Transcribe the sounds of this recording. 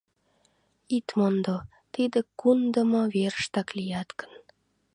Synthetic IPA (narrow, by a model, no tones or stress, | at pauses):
it̪mond̪o | t̪id̪ə̆kund̪əmɤverəʃt̪ɑklʲijɑt̪kə̥n